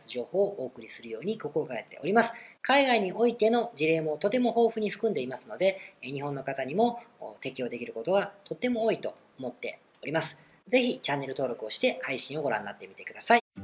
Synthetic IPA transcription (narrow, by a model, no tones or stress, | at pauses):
sɨʑo̞ːho̞ːʔoːkɯ̟ɾʲisɨɾɯ̟jo̞ːɲ̟iko̞ko̞ɾo̞kaket̪ːe̞̰o̞ɾʲimasɨ̥kaiɡaiɲ̟io̞it̪e̞no̞d͡ʑiɾe̞ːmo̞t̪o̞t̪e̞mo̞ho̞ːɸɯ̟ɲ̟iɸɯ̟kɯ̟̃nd̪e̞imasɨno̞d̪e̞ɲ̟iɦõ̞nːo̞kat̪aɲ̟imo̞t̪e̞kʲio̞ːd̪e̞kʲiɾɯ̟ko̞t̪o̞ɡat̪o̞t̪ːe̞mo̞oːit̪o̞̰ːmo̞t̪ːe̞̰ | o̞ɾʲimasɨ̥ | ze̞çit͡ɕanːe̞ɾɯ̟t̪o̞ːɾo̞kɯ̟o̞ɕi̥t̪e̞haiɕĩɰ̃o̞ɡo̞ɾã̰nːat̪ːe̞mʲi̥t̪e̞̥kɯd̪asai